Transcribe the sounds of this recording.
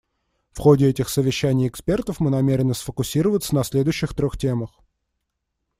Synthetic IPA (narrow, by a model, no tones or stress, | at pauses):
fxodʲɪɛtʲɪxsəvʲɪɕːænʲɪjɪkspʲe̞rt̪əfmɨnɐmʲeɾʲɪnəsfəkʊsʲiɾəvət̪sənɐsʲlʲe̞d̪ʊjɕːɪxt̪ɾʲoxtʲe̞məx